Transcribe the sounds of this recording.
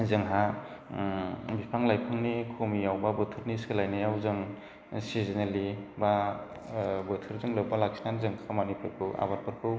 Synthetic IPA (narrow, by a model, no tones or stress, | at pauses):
zɯŋɦa | bipʰaŋlajpʰɯŋnikʰomijawbabɯtʰɯɾniselajnɯjawzɯŋ | sizineliba | bɯtʰɯɾzɯŋlɯbalaksʰi̥nanzɯŋkʰamanipʰɯkʰɯa̰baɾpʰɯɾkʰɯ